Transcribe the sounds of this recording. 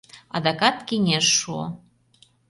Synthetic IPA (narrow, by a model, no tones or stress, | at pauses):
ɑ̰d̪ɑkɑt̪kinʲeʃːuo̰